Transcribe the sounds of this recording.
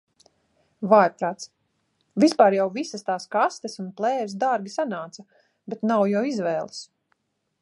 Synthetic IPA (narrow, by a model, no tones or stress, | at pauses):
vaːɾpɾaːt̪s | vispaːɾjawvisast̪aːskast̪esunplˠɛːɾsd̪aɾɡʲisanaːt̪sa | bɛt̪nawjawizvɛːlˠs